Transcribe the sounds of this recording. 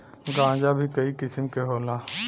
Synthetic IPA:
ɡãːd͡ʒabʱikɐikɪsəmkeɦoːlaː

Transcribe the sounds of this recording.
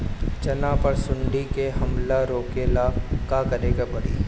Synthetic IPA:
t͡ʃɐnãpɐɾsʊɳɖikeɦɐmlaɾoːkeːlaːkaːkɐɾeːɡabɐɽḭː

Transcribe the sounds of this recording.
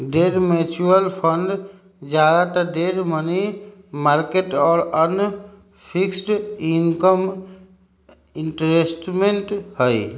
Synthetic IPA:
ɖeɾmet͡ʃuəlpʰəɳɖ | d͡ʒjad̪at̪əɖeɾmənimaɾkeʈɔːɾən | pʰiksʈinkəm | iɳʈɾesʈmeɳʈhəj

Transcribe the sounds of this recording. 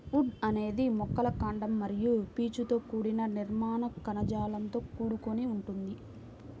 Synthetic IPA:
uɖɐne̞ːd̪imɔkːɐlɐkaːɳɖɐmːɐɾijupiːt͡ʃut̪o̞ːkuːɽinɐniɾmaːnɐkɐnɐd͡ʒaːlɐnt̪o̞ːkuːɽukoniuɳʈund̪i

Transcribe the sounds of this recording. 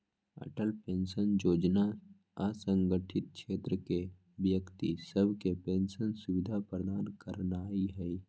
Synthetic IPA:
ə̰ʈəlpẽːnsənjoːd͡ʒna | əsə̃ŋɡəʈʰɪt̪̚kʰʃeːt̪ɾəke | bjəkt̪isəbʱkepẽːnsənsʊʋɪd̪ʱapɾəd̪aːnkəɾnaːiɦɛ

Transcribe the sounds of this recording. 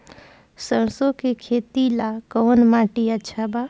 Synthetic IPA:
sənsokekʰet̪ilakɔnmãʈiətːʃʰaba

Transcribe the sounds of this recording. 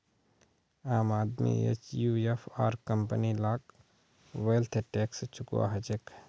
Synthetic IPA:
aːmaːd̪mḭḛt͡ʃjuːepʰa̰ːɾkəmpənilaːk̚ | ʋelt̪ʰʈeːkst͡ʃʰʊkwa̰ɦɐd͡ʒek

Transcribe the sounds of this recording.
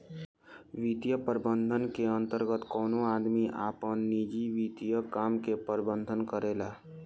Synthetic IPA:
ʋit̪jəpəɾbənd̪ʱənkeə̃nt̪əɾɡət̪kɔːnoaːd̪miʔaːpənːid͡ʒiʋit̪ijəkaːmkepəɾbənd̪ʱənkəɾelaː

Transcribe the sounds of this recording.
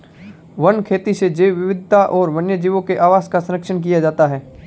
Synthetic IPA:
ʋɐnkʰeːt̪ised͡ʒeːwʋɪʋɪd̪ʱt̪aʔɔːɾʋɐnjəd͡ʒiːʋõkeʔaːʋaːzkasɐnɾəkʃənk̬ijad͡ʒaːt̪aɦɛː

